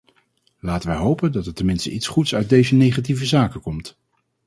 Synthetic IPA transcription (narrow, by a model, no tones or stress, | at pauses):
laːtənʋɛjɦowpəndɑtəɹtɛmɪnstə̰ʔitsχutsœɥt̚dejzənejχat̬ivəzaːkəkɔmt